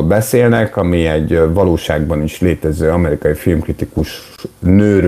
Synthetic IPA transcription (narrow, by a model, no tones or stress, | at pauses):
lbɛseːlnɛkɒmiɛɟvɒloːʃaːɡbɒniʃleːt̪ɛzøːɒmɛɾikɒjifilmkrit̪ikuʃ | nøːɾ